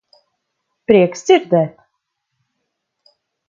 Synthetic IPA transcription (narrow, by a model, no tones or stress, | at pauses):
pɾʲiɛksʲd̪z̥ʲiɾd̪ɛːt̪